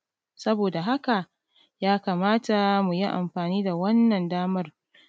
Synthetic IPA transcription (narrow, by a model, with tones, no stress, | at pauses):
sɐ˦boː˨da˨ɦa˦ka˨ | jaː˦kaː˨maː˦ta˨mu˨ji˦ʔa̰˨mɸaː˨niː˦da˨wɐ˦nːɐ˨ndaː˦mɐ˦r